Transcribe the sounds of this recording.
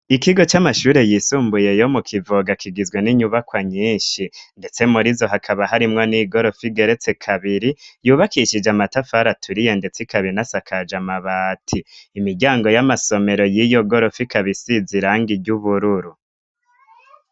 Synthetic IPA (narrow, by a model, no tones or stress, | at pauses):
ikiɡo̞t͡ʃamaʃuːɾe̞jisuːmbuje̞jo̞mukʰivoɡakiɡizɡweniɲuβakwaɲiːnʃinde̞t͡se̞muɾizo̞ɦakʰaβahaɾimŋo̞niɡo̞ɾo̞fiɡe̞ɾet͡se̞kʰaβiɾijuːβakiʃid͡ʒamatafaɾatʰuɾije̞nde̞t͡sikaβinasakʰad͡ʒamaβaːtʰiːmiɟaːŋɡo̞jamaso̞me̞ɾo̞jijo̞ɡo̞ɾo̞fikʰaβisiziɾaːŋɡiɟuβuɾuɾu